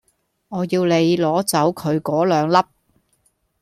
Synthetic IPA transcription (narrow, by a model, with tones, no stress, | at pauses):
ŋɔː˨˧jiː˧wle˨˧jlɔː˨˥t͡sɐ˨˥wkʰɵ˨˧ɥkɔː˨˥lœː˨˧ŋlɐ˥p̚